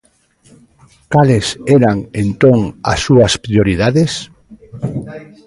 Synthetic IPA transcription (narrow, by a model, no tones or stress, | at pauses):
kalesɛɾaŋẽnt̪oŋa̰sːuaspɾioɾið̞aðes